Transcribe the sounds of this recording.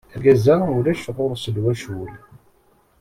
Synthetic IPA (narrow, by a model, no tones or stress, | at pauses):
æɡæzæʊɾæʃʁʊɾˤsədwæʃul